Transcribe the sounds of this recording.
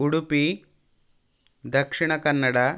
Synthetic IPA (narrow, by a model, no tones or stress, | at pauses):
uɽupi | d̪ɐkʂiɳ̃ɐkɐnːɐɽa